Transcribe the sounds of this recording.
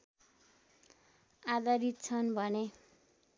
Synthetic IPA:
ad̪ʌɾit̪̚t͡sʰʌnbʱʌne

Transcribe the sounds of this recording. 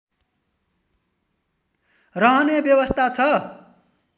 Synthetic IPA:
rʌɦʌnebjʌwʌst̪ʰat͡sʰʌ

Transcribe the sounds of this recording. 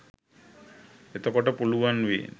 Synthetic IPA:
et̪ɔkɔʈapuluwanwḭ

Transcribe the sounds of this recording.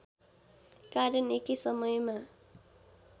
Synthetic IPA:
kaɾjʌnekisʌmʌjma

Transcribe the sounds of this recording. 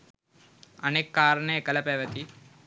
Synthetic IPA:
ənekːaːɾnekələpeʋət̪i

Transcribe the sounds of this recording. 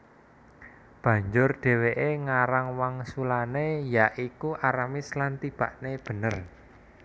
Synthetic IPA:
b̥ä̤ɲd͡ʒʊrɖ̥ɛ̤weʔeŋaɾaŋwaŋsulanejaʔikuʔaɾamislant̪ib̥a̤ʔneb̥ə̤nər

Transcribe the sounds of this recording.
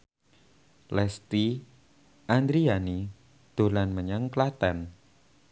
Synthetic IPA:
lɛst̪i | ʔand̪ɾiani | d̪̥o̤lanməɲəŋklat̪ɛn

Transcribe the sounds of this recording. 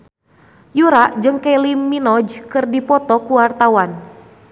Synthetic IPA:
juɾaʔd͡ʒɨŋkalimːinɔd͡ʒkɨrdipɔt̪ɔkuwart̪awan

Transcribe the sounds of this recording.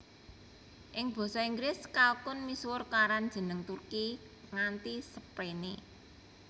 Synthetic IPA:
ʔɪŋb̥ɔ̤sɔiŋɡɾɪskalkʊnmiswʊrkaɾand̥ʒ̥ə̤nəŋt̪urki | ŋant̪isəpɾene

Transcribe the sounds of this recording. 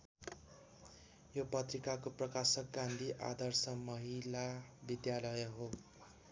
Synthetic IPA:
jopʌt̪rikakoprʌkasʌk̚ɡãnd̪ʱiʔa̰d̪ʌrsʌmʌɦilabid̪jalʌjɦo

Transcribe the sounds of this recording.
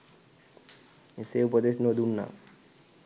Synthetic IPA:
eseupɔd̪esnod̪unːa̰

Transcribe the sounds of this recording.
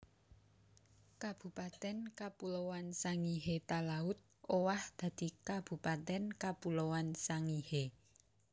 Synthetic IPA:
kab̥ṳpat̪ɛnkapulowansaŋiɦet̪alaʊt̪̚ | owahd̪̥a̤d̪̥i̤kab̥ṳpat̪ɛnkapulowansaŋihe

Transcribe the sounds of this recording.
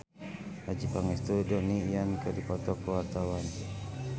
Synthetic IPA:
ad͡ʒipaŋɛst̪udɔnijankədipɔt̪ɔkəwart̪awan

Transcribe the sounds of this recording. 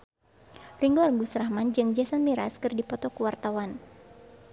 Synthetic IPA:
riŋɡoarŋɡusɾahmand͡ʒɨŋd͡ʒasanmiɾaskɨrdipɔt̪ɔkuwart̪awan

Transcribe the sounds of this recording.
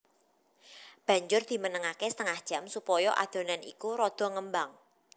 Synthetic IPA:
b̥ä̤ɲd͡ʒʊrd̪̥i̤mənəŋakesə̥t̪əŋahd̥ʒ̥a̤msupɔjɔʔa̰d̪̥o̤nanḭkuɾɔd̪̥ɔ̤ŋəmbaŋ

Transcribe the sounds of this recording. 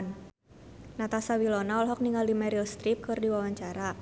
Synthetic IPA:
n | nat̪asawilonaɔlɦɔk̚niŋɡaldimɛɾilst̪ɾip̚kɨrdiwawaɲt͡ʃaɾa

